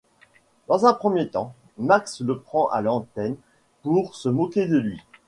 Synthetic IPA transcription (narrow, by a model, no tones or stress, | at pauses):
d̪̥ɑ̃zɛ̃pχəmjet̪ɑ̃ | maksləpχɑ̃ʔa̰lɑ̃t̪ɛn | puʁsəmɔkʲed̪əlɥi